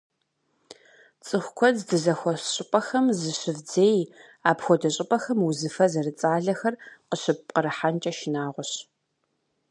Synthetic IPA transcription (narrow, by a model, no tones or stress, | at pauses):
t͡sʼɨxʷkʷʰɔddɨzɐxʷɔɕʼɪpʼɐxɐmzɨɕɪvd͡zeːj | aːpxʷɔdɐɕʼɪpʼɐxɐmwuzɨfɐzɐrɨt͡sʼaːɮɐxɐrqəɕɪp̚qəɾɨħant͡ʃʼɐʃɪnaːʁʷɔɕ